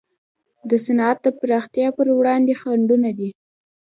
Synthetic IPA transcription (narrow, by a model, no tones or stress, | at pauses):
d̪əsanɑat̪̚d̪əpɾɑxt̪jɑpəɾwɽɑnd̪exaɳɖunad̪i